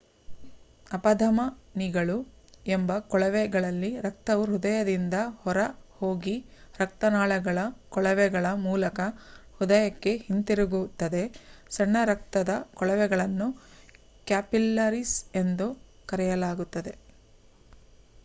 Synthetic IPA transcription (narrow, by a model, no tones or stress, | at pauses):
ɐpɐd̪ʱɐmɐniɡɐɭuembɐkɔɭɐʋɛɡɐɭɐlːiɾɐk̚t̪ɐʋuɦud̪ɐjɐd̪ind̪ɐhɔɾɐhoːɡi | ɾɐk̚t̪ɐnaːɭɛɡɐɭɐkɔɭɐʋɛɡɐɭɐmuːlɐkɐhud̪ɐjɐkːe̞hint̪iɾuɡut̪ːɐd̪e̞sɐɳːɐɾɐk̚t̪ɐd̪ɐkɔɭɐʋɛɡɐɭɐnːu | kaːpilːɐɾise̞nd̪ukɐɾɛjɐlaːɡut̪ːɐd̪e̞